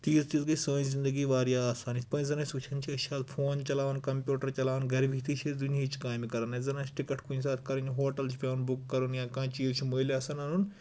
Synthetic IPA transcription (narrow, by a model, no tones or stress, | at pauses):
t̪iːzt̪iːzɡɐsəːnzĩnd̪ɐɡiːʋaːɾijaːaːsaːnit̪pɐ̃ːnzɐnɐːsʲut͡ʃʰɐnt͡ʃʰiɐʃʰaːt̪pʰoːnt͡ʃɐlaːʋɐnkɐmpʲjuːʈɐɾt͡ʃɐlaːʋɐnɡɐɾibʱit̪ʰit͡ʃʰid̪unit͡ʃʰi̥kaːjmikɐɾɐnɐzɐnaːt͡ʃʰʈikɐʈʰkuns̬aːt̪ʰkɐɾunɦoːʈɐlt͡ʃʰi̥pʲaːnbukːɐɾunjãːkãːt͡ʃiːzt͡ʃʰimoːilaːsɐnɐnun